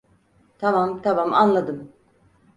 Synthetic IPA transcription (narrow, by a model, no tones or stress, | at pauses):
t̪ʰamamt̪ʰamamanlˠad̪ɯm